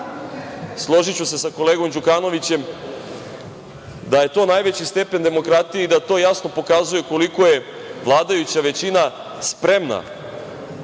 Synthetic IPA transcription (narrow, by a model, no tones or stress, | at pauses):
slˠo̞ʒit͡ɕuse̞sako̞le̞ːɡo̞md͡ʑukaːno̞ʋit͡ɕe̞m | d̪aje̞t̪o̞ːnajʋe̞t͡ɕist̪e̞pe̞nd̪e̞mo̞kɾat̪ijeid̪at̪o̞ːjasno̞po̞kazuje̞ko̞liko̞je̞ | ʋlˠaːd̪ajut͡ɕaʋe̞t͡ɕina | spɾe̞mna̰